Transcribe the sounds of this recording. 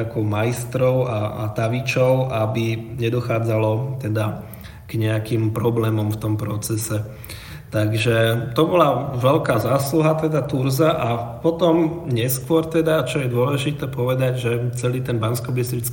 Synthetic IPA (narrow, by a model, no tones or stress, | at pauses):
akɔʊmaist̪ɾɔʊaa̰t̪aʋit͡ʃɔʊʔabiɲɛd̪ɔxaːd͡zalɔt̪ɛd̪a | ɡ̥ɲɛakimpɾɔblɛːmɔmft̪ɔmpɾɔt͡sɛsɛ | t̪aɡʒɛt̪ɔbɔlaʋɛlkaːzaːsluɦat̪ɛd̪at̪uɾzaʔapɔt̪ɔmɲɛskʊɔɾt̪ɛd̪at͡ʃɔjɛd̪ʊɔlɛʒit̪ɛːpɔʋɛd̪aɟʒɛt͡sɛliːt̪ɛnbanskɔbist̪ɾit͡sk